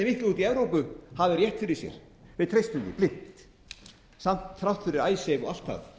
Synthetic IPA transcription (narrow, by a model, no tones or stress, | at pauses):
ɛmɪhklɪuːt̪iɛvɾowpʏhavɪɾjɛht̪fɪɾɪɾ̥sjɛ̰ɾ̥ | vɪðt̪ʰɾejst̪ʏmt̪ɪ̰plɪht̪ | sam̥t̪θɾawht̪fɪɾɪɾaːjsejvɔɣal̥t̪ʰa̰ð